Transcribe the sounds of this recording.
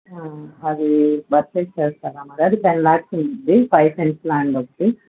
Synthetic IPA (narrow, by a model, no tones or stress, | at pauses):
aɐd̪ibɐɾt͡ʃeːt͡ʃɛːst̪aːɾaːmɐɾiɐd̪ipenlaːʈsund̪ipɐjpeɳʈplaːɳɖokːʈi